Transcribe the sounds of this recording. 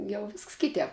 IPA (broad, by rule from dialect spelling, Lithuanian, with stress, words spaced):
jɛʊ ˈʋʲɪsks ˈkʲɪtʲɛːp